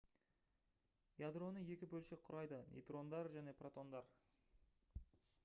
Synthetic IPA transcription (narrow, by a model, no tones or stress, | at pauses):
jad̪ro̞nəje̞kʲɪbɵlʃeqʰːʊɾɑjd̪ənʲʔḛjt̪ro̞nd̪ɑɾʒæne̞prot̪o̞nd̪ɑɾ